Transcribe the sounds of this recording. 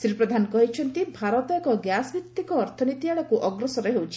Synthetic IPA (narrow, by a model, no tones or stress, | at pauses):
sɾipɾɔd̪ʱanɔkɔɦit͡ʃʰɔnt̪ibʱaɾɔt̪ɔkɔɡjasbikt̪ːikɔːɾt̪ʰɔnit̪iaɭɔkuʔɔɡɾɔsɔɾeɦewt͡ʃʰi̥